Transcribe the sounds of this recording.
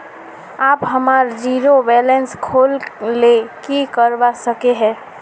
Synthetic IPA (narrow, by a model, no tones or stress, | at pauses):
aːpɦəmaːɾd͡ʒiɾobɛlenskʰoːlːekikəɾbasəkeɦɛ̃ː